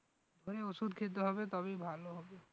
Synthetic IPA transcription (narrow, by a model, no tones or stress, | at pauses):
d̪ʱoɾeosud̪ʱkʰit̪̬oɦɔbet̪ɔbibʱaloɦɔbe